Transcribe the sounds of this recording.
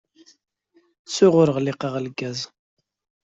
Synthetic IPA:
t͡sːʊʁʊɾəʁlɪqəʁlɡæz

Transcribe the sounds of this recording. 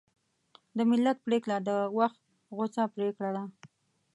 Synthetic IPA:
d̪əmɪlːat̪̚pɾeklad̪əwaxt̪ | ɣosapɾekɽala

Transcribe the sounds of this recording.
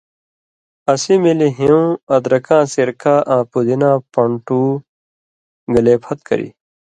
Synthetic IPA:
ɐsimiliɦiũɐd̪ɾɐkãːsiɾkʰaːʔãːpud̪inãːpɐɳʈuː | ɡɐleːpʰɐt̪kɐ̰ɾḭ

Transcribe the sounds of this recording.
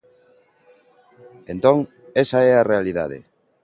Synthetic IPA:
ent̪õŋ | esaɛarealiða̰ðḛ

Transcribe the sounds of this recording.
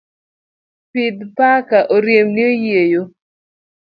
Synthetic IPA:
pid̪pakaʔoɾjemnɪojejo

